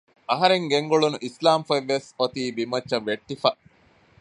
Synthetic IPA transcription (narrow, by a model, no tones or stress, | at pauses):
ɐɦɐɾeŋɡeŋɡoɭunuʔislaːmfɐʋːesot̪iːbimɐt͡ʃːt͡ʃːɐʋːeʈːifɐ